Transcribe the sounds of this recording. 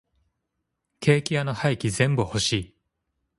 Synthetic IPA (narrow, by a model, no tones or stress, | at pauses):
kʰe̞ːkʲianohaikʲizẽ̞mbɯ̟ho̞ɕiː